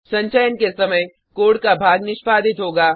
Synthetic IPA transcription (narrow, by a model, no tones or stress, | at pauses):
sɐ̃ɲt͡ʃəjənkesɐməj | koːɽkabʱaːɡnɪʃpaːd̪ʱɪt̪ɦoːɡaː